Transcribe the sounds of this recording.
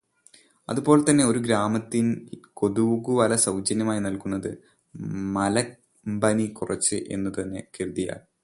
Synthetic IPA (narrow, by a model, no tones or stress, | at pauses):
ɐ̰ðubo̞ːɭlt̪ɐnːe̞o̞ɾuɡɾaːmɐt̪ːinko̞ðuɣuʋɐlɐsɐwd͡ʑɐnjɐmaːjinɐlkunːɐðɨ | mɐlɐ | mbɐnikurʔɐt͡ɕːɨʔe̞̰nːut̪ɐnːe̞kiɾuðija̰ːɭ